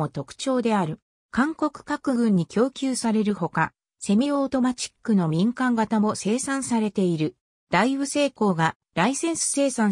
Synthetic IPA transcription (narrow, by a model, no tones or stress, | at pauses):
o̞t̪o̞kɯ̟̥t͡ɕo̞ːd̪e̞aɾɯ̟ | kãŋko̞kɯ̟̥kakɯ̟ɡɯ̟̃ɲ̟ːikʲo̞ːkʲɨːsaɾe̞ɾɯ̟ho̞ka | se̞mʲioːt̪o̞mat͡ɕi̥kːɯ̟no̞mʲĩŋkãŋɡat̪amo̞se̞ːsãɰ̃saɾe̞t̪e̞iɾɯ̟ | d̪̥aiβɯ̟se̞ːko̞ːɡa | ɾaisẽ̞ɰ̃sɨ̥se̞ːsã